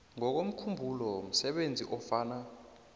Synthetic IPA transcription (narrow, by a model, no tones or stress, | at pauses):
ŋɔk̬om̩kʰumbʱulɔm̩sɛɓend͡zʱḭʔɔfaːna